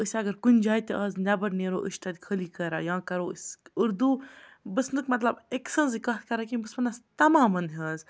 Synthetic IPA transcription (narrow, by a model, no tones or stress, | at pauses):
ɨsʲɐɡɐɾkunʲd͡ʒaːit̪ʲiʔɐːznɐbɐɾneːɾo̰ːʔə̰ʃʈ̪ɐd̪ʲkʰəliːkəɾa̰ːjãːkɐɾoːsʲuɾd̪uːbɨsnɨkmɐt̪lɐbeksənzikɐt̪kɐɾakimbɨsbɐnd̪ɐst̪ɐmaːmɐnɦəːz